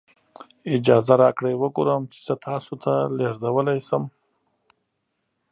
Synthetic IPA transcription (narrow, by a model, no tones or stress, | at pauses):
ɪd͡ʒɑzaɾɑkɽejwəɡoɾəmt͡ʃɪ̥t͡sət̪ʰɑsot̪ʰaleʐd̪awəlajsəm